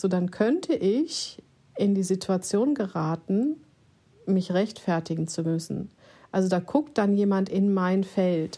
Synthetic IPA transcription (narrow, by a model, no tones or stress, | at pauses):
z̥oːdankʰœntʰəʔɪç | ɪndiːzitʰuat͡sjoːnɡəʁaːtn̩ | mɪçʁɛçtfɛɐtɪɡŋ̩t͡sumʏsn̩ | ʔalzodaːɡʰʊk̚t̚d̥anjeːmantɪnmaɪnfɛlt